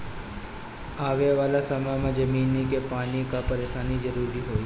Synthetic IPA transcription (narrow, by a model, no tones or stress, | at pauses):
aʋeʋalasəmamãd͡ʒəminːikepanikapəɾesanid͡ʒəɾuɾiɦoj